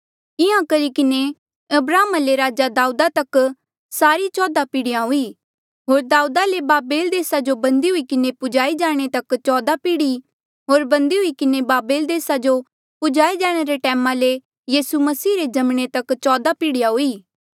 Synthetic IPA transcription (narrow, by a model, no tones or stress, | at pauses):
ɪjãkɐɾikɪne | ɐbɾaːmaleɾaːd͡ʒad̪aːud̪at̪ɐk | saːɾit͡ʃɔːd̪apiːɽɪjãɦʊiː | ɦoːɾd̪aːud̪alebaːbeːld̪eːsad͡ʒobɐ̃nd̪iɦʊikɪnepʊd͡ʒaːid͡ʒaːɽ̃et̪ɐkt͡ʃɔːd̪apiːɽi | ɦoːɾbɐ̃nd̪iɦʊikɪnebaːbeːld̪eːsad͡ʒo | pʊd͡ʒaːid͡ʒɛːɽ̃eɾeʈɛːmãle | jiːsumɐsiːɾed͡ʒɐmɽ̃et̪ɐkt͡ʃɔːd̪apiːɽɪjãɦʊiː